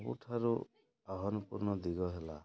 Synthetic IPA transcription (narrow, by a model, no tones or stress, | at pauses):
bṵʈʰaɾu | aɦɔnupuɾnɔd̪iɡɔɦela